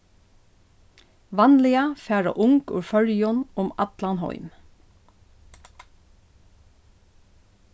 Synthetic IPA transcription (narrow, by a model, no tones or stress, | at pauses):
ʋɑnlɪafæːɹa̰ʔʊŋkʉ̰ɹfœɹjʊnʊmɑt̪lɑnɦɔ̰ʏm